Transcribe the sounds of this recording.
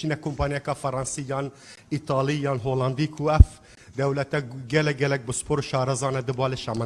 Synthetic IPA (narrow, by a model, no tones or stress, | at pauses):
t͡ʃiːnɛkʰompʰɑːnjɛkɑːfɐɾɑːnsijɑːn | it̪ʰɑːlˠijɑːnɦoːlɑnd̪iːkʰuɛf | d̪ɛwlɛt̪ɛɡɛlɛɡɛlɛk̚bɨspoːɾoʃɑːɾɐzɑːnɛd̪ɨbɑːleʃɑmən